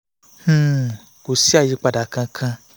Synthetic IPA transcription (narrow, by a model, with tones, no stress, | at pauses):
h̩˦˨ | ku˨si˦a˦˨ji˨˧k͡pa˧da˨kã˧kʰã˧